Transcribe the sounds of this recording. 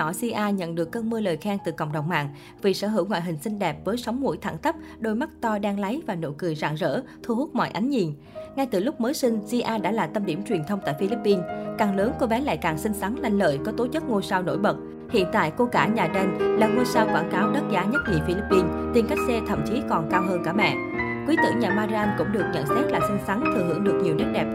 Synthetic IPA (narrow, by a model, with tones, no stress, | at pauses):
ɔ˧˩si˧ʔaː˧ɲə̰˧˨nɗɨ˨˩əkːə˧nmɨ˧ələː˨˩jxaː˧ŋt̪ɨ˨˩kə̰˧˨wŋ͡mɗə˨˩wŋ͡mma̰ː˧˨ŋ | vi˨˩sə̰ː˧˩ɦɨ̰˧˩wŋwa̰ː˧˨ɦï˨˩ŋ̟sï˧ŋ̟ɗɛ˨˩p̚vəː˨˦jsa˨˦wŋ͡mŋṵ˧˥jt̪ʰa̰ː˧˩ŋt̪ʰə˦˥p̚ | ɗo˧jma˦˥k̚t̪ɔ˧ɗaː˧ŋla˨˦jvaː˨˩no̰˧˩kɨ˨˩əjza̰ː˧˨ŋzə̰ː˧˥t̪ʰu˧hu˦˥t̚mɔ̰˧˨jʔa˨˦jŋ̟ɲi˨˩ən | ŋa˧jt̪ɨ˨˩lʊ˦˥k͡p̚məː˨˦jsï˧ŋ̟zi˧ʔaː˧ɗa̰ː˧˥laː˨˩t̪ə˧mɗi˧˩əmt͡ɕwi˨˩ənt̪ʰə˧wŋ͡mt̪a̰ː˧˨jfi˧li˦˥pːi˧nkaː˨˩ŋləː˨˦ŋko˧ɓɛ˨˦la̰ː˧˨jkaː˨˩ŋsï˧ŋ̟sa˨˦ŋla˧jŋlə̰ː˧˨jkɔ˨˦t̪o˨˦t͡ɕɨ˦˥k̚ŋo˧saː˧wno̰˧˩jɓə˨˩t̚ | hḭ˧˨ənt̪a̰ː˧˨jko˧ɣaː˧˩ɲaː˨˩ɗe˧nlaː˨˩ŋo˧saː˧wkwaː˧˩nkaː˨˦wɗə˦˥t̚zaː˨˦ɲə˦˥t̚ŋḭ˧˨fi˧li˦˥pːi˧nt̪i˧nka˦˥jk̚sɛ˧t̪ʰə̰˧˨mt͡ɕi˨˦kɔ˨˩nkaː˧wɦəː˧nkaː˧˩mɛ̰˧˨ | kwi˨˦t̪ɨ̰˧˨ŋɲaː˨˩maː˧za˧nkʊ̰˧˥ŋ͡mɗɨ˨˩ək̚ɲə̰˧˨nsɛ˦˥t̚laː˨˩sï˧ŋ̟sa˨˦ŋt̪ʰɨ˨˩ɦɨ̰˧˩əŋɗɨ˨˩ək̚ɲi˨˩wnɗəː˦˥t̚ɗɛ˨˩p̚